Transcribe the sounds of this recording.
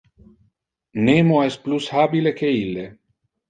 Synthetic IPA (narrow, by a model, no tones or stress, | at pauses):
nemoɛst̪̚plushaːbilekeilːe